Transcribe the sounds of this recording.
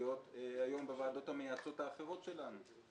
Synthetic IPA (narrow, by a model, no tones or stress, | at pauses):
o̞teajo̞mbevaːdo̞thamejaso̞taːχeʁo̞tʃe̞lanu